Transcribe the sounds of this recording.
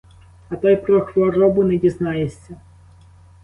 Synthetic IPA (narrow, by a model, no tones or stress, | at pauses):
ɐt̪ɑjpɾɔxʋɔɾɔbʊnɛdʲiznɑjesʲːɐ